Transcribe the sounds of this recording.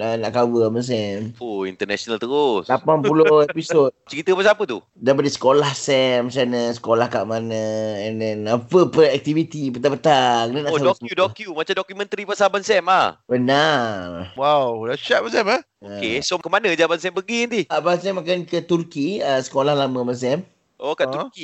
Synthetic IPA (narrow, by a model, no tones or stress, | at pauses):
ənaʔkawəməs̬ɛmoḭnt̪ənɛsonalt̪əɾoslapanpulohepisot̚t͡ʃəɾit̪əpasapət̪ṵ | dapadisə̥kolahsɛmsɛnəsə̥kolahkaʔmanə̃ɛndɛnapəpəɛk̚t̪ivit̪ipət̪abət̪aknənaʔoadkudokjumat͡ʃadokjumə̃nt̪ɾipasabansɛmahbənarwawdaʃat̪̚bansɛma | əesɔmkəmanə̃d͡ʒabansɛmbəɡint̪ihkaʔbansɛmak̬ankət̪urkiəsə̥kolahlamə̃bans̬ɛm | ʔokaʔt̪uki